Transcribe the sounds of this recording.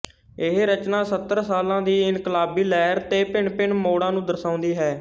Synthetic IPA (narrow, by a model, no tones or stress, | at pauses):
ɪɦɾət͡ʃnãːsət̪ːəɾsaːlãːd̪iːɪnkəlaːbiːlɛːɾt̪eːpɪɳpɪɳmoːɽãːnũːd̪əsãːʊ̃nd̪iːɦɛː